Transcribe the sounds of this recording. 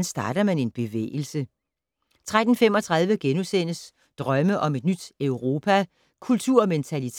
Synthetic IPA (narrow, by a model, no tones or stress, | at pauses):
nsd̥ɑ̈ːɾ̥ɐmæne̝nb̥e̝ʋḛːl̩sə | t͡sʰʁad̥n̩fem̰ɒ̽t͡sʰʁɑ̈ð̞ˠʋəɡ̥enusen̰əs | d̥ʁɶməʔɒ̽me̝d̥̚nyd̥œʊʁo̝ːpʰæ | kʰult͡sʰuɐ̰ment͡sʰælit͡sʰ